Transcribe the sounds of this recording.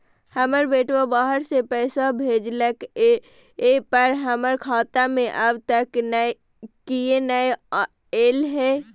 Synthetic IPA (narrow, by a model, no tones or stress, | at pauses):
həməɾbeːʈʰobaːɦəɾsepɛːsabʱeːd͡ʒlək | epəɾɦəməɾkʰaːt̪amẽʔəbt̪əknə | kienəe | eːlɦɛː